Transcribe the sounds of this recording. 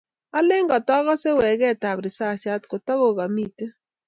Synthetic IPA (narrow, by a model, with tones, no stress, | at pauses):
a˦lɪ˦ŋɡɔ˨tɔ˦ɣɔ˦se˦wɛ˨ɡɛ˦˨ta˨bɾɪ˨sa˦˨t͡ʃa˦tko˨tɔ˦ɣo˨ɣa˨mi˦˨te˦